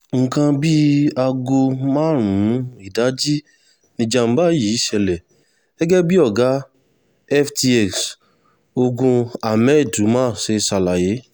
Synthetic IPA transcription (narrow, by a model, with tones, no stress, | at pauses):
ŋ̩˨kã˧bi˦a˧ɡo˧mãː˦ɾ̃ũ˨˦i˦˨da˨˦d͡ʒi˦ | nĩ˧d͡ʒa˧m̩˦ba˦˨ji˨˦i˦ʃɛ˧lɛ˨ | ɡ̥ɛ˦ɡɛ˦bi˦ɔ˦˨ɡa˨˦ | ɛ˦fti˧ɛ˨ks | o˧ɡũ˧a˨mɛ˦˨du˨˦mãː˦˨ʃe˧sa˨la˨je˨˦